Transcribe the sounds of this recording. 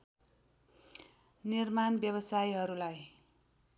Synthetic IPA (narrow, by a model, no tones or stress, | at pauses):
nirmanbjʌβʌsajɦʌɾulaj